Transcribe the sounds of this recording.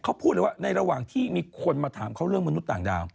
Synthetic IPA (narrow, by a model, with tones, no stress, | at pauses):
kʰa˦˥wpʰuː˥˩t̪lːjwa˥˩na˧jɾa˧waː˨˩ŋt̪ʰiː˥˩miː˧kʰo˧nmaː˧t̪ʰaː˩˦mkʰa˦˥wɾɯ˥˩əŋma˧nu˦˥t̪̚ːaː˨˩ŋda̰ː˧w